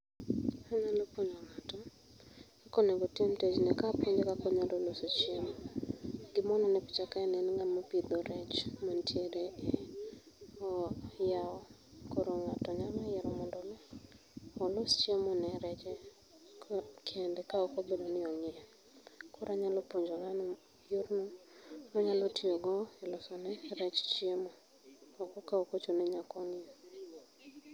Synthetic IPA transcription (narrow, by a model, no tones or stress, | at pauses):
aɲalɔpoɲɔŋatom | ɛkɔnɛɡɔtiemted͡ʒnɛkapwɔɲd͡ʒekakɔɲadɔlosot͡ʃɪem | ɡɪmɔnɔnɛpit͡ʃakaɛnɛnŋɡamɔpid̪oɾɛt͡ʃmontʰjeɾe | ɔjaɔ | koɾoŋatɔɲamajɛɾɔmɔndɔnɛ | ɔlost͡ʃemɔnɛɾɛt͡ʃɛ | kʰɛndɛkaɔkobedonɪɔŋɪɛ | kʊɾʔaɲalɔpoɲd͡ʒoŋan | joɾnomaɲalɔtioɡɔɛlɔsɔnɛɾɛt͡ʃt͡ʃɪemɔː | kɔkaɔkot͡ʃonɛɲakɔŋe